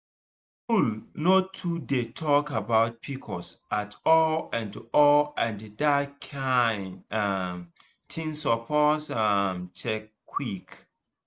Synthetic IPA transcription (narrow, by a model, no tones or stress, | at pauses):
ulnotʰudetʰɔkabaʊt̚pʰikʰɔsatʰɔlãntuʔɔlãndədakʰaɪnam | tʰĩnsɔpʰɔsamt͡ʃʰɛkʰː | wik